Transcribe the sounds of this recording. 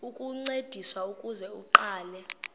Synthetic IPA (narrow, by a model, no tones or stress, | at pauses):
ukʼuŋ͡ǀed̥ʱiswaukʼuzɛuǃaːlɛ